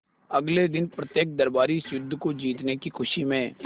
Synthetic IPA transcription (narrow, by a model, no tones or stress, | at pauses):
əɡled̪ɪnpɾət̪jeːk̚d̪əɾbaːɾisʊd̪ʱːkod͡ʒiːt̪nekixʰʊʃimẽː